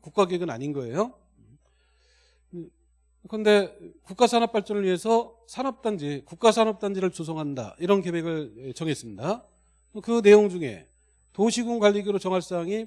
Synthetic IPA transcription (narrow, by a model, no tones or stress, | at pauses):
kuk͈aɡeeɡɯna̰ɲinɡʌe̞̰jo | kɯɯnde̞kuk͈̚asʰanʌp͈aɭt͡ɕ͈ʌnɯɭɥiɦesʰʌ | sʰanʌp̚t͈and͡ʑikuk̚k͈asʰanʌp̚t͈and͡ʑiɾɯɭt͡ɕos̬ʰʌŋɦanda̰iɾʌnke̞beɡɯɭet͡ɕʌŋɦe̞s͈ɯmɲida | okɯne̞joŋd͡ʑuŋe̞̰ | toɕʰiɡuŋɡwaʎːiɡiɾot͡ɕʌŋɦaɭs͈aŋi